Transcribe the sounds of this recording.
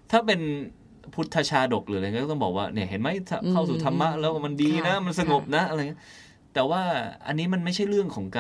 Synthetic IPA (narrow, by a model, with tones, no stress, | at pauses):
t̪ʰaː˥˩pe˧n | pʰu˦˥t̪ʰːa˧t͡ɕʰaː˧do˨˩k̚lɯː˩˦lːt̪ɔ˥˩bɔː˨˩k̚waː˥˩ni˧˩ɐɦe˩˦nma˦˥jt̪ʰa˦˧˩kʰa˥˩wsuː˨˩t̪ʰa˧mːa˦˥ʔlɛː˦˥wka˥˩ma˧ndiː˧na˦˥ma˧nsa˧ŋo˨˩p̚na˦˥ʔa˧ɾa˧ŋːi˦˥ | t̪ɛː˨˩waː˥˩ʔa̰˧nːiː˦˥ma˧nma˥˩jt͡ɕʰa˥˩jɾɯ˥˩əŋkʰɔː˩˦ŋka˧